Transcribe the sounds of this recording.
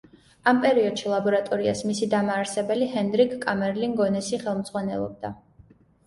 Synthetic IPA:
ampʼɛɾiɔd̪̥ʃilˠabɔɾat̪ʼɔɾia̰smisid̪amaːɾsɛbɛlihɛnd̪ɾikʰkʼːamɛɾliŋɡɔnɛsiχɛlˠmd̪zʁwanɛ̰lˠɔ̰b̚d̪a

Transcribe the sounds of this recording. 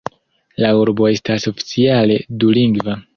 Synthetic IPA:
lauɾbo̞e̞staso̞fi̥t͡siale̞duliŋɡva

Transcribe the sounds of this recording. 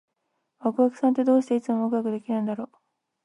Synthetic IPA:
βakɯ̟βakɯ̟̥sãnt̪̬e̞d̪o̞ːɕi̥t̪e̞it͡sɨmoɯkɯɡakɯ̟d̪e̞kʲinãnd̪aɾo̞ː

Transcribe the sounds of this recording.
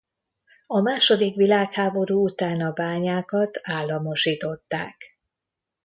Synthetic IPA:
ɒmaːʃo̞d̪ikʋilaːkhaːbo̞ɾuːut̪aːnɒbaːɲaːkɒt̪aːlːɒmo̞ʃiːt̪o̞t̪ːa̰ːk

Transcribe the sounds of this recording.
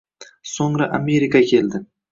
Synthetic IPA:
soŋɾaʔame̞ɾikʰakʲʰe̞ld̪ɪ

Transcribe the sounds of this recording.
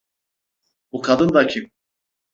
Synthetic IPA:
bukʰad̪ɯnd̪acʰip̚

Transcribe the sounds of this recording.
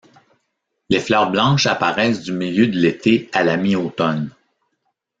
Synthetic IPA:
leːflœːʁblɑ̃ʃapaʁɛːsd̪ymiljød̪əlet̪ʰealamiot̪ɔn

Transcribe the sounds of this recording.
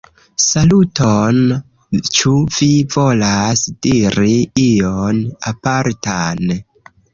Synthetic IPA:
saluton | t͡ʃuvivo̞lasd̥iɾiijonapaɾtan

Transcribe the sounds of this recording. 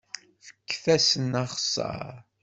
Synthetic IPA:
fə̥kːθæsənɑχsˤɑ̰ɾ

